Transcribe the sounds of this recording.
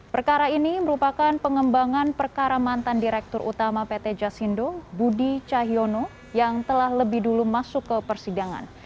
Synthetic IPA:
pərkaɾainiməɾupakanpəŋəmbaŋanpərkaɾamant̪andiɾɛk̚t̪ʊrʔṵt̪amapet̪ɛd͡ʒasindobudit͡ʃaɦiono | jaŋt̪əlahləbɪhdulumasʊkːəpərsidaŋa̰n

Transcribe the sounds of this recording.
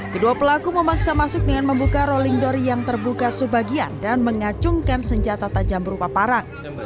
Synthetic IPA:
kəduapəlakuməmaksamasʊk̚dəŋanməmbukaɾoliŋdɔrjaŋt̪ərbukasəbaɡia̰ndanməŋat͡ʃʊŋkansəɲd͡ʒat̪at̪ad͡ʒambəɾupapaɾaŋ

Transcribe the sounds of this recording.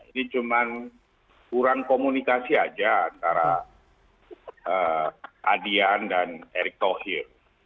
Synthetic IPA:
ḭnit͡ʃuman | kuɾaŋkomunikasiad͡ʒaːnt̪aɾa | əʔa̰diandaneɾɪk̚t̪ohir

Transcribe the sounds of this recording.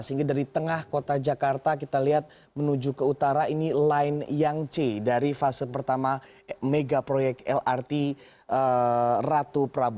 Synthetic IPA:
səiŋɡadaɾit̪əŋahkot̪ad͡ʒakart̪ak̬it̪aliɦat̪̚ | mənud͡ʒukəut̪aɾainilaɪnjaŋt͡ʃedaɾifasəpərt̪ama | meɡapɾojɛk̚t̪ɛlart̪i | ərat̪upəɾabu

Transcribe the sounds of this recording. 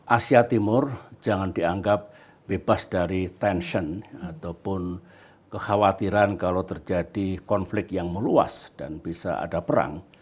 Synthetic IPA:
ʔasiat̪imʊrd͡ʒaŋandiaŋɡap̚ | bebasdaɾit̪ɛnʃənat̪awpʊn | kəxawat̪iɾankalawt̪ərd͡ʒad̥ikɔnflɪk̚jaŋməlua̰sd̥anb̥isa̰a̰dapəɾa̰ŋ

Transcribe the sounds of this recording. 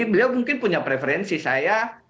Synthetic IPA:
bəliawmuŋkɪnpuɲapɾefeɾɛnsisaja

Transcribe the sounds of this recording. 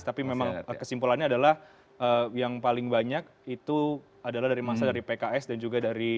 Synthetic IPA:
t̪apimemaŋkəsimpulanɲaːdalah | əjaŋpalɪŋbaɲak̚ | it̪u | adalahdaɾimasadaɾipekaɛsdand͡ʒuɡadaɾi

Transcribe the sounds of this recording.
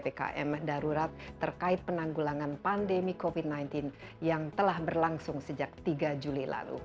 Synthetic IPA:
peka̰ʔɛ̰mdaɾuɾat̪̚ːərkaɪt̪̚pənaŋɡulaŋanpandemikofid̪̚najnt̪ɪn | jaŋt̪əlahbərlaŋsʊŋsəd͡ʒak̚t̪iɡad͡ʒulila̰lṵ

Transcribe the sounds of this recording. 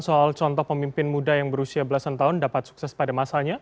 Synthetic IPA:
nsoalt͡ʃɔnt̪ɔhpəmimpɪnmudajaŋbəɾusiabəlasant̪aɦʊndapat̪̚su̥k̚sɛspadamasaɲa

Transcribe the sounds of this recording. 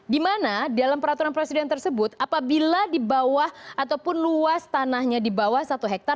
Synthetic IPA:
dimanadialampəɾat̪uɾanpɾesidɛnt̪ərsəbʊt̪apabiladibawahʔat̪awpʊnluast̪anahɲadibawahsat̪uɦɛk̚t̪ar

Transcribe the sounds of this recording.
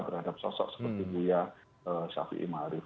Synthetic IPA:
t̪ərhadap̚sɔsɔ̰ʔsə̥pərt̪iɡuja | əsa̰fḭʔḭmaɾɪf

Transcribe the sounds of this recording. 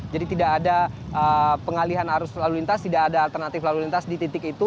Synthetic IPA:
d͡ʒadit̪idakːdaʔəpəŋaliɦanaɾʊslalulint̪ast̪idakadaːlt̪ərnat̪ɪflalulint̪asdit̪it̪ɪkit̪u

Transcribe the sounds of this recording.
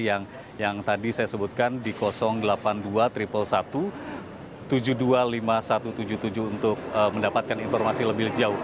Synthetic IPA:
jaŋ | jaŋt̪adisajasəbut̪̚kandikɔsɔŋdəlapanduat̪ɾipəlsat̪u | t̪ud͡ʒudualimasat̪ut̪ud͡ʒut̪ud͡ʒuunt̪ʊk̚əməndapat̪̚kaninfɔrmasiləbɪhd͡ʒaʊh

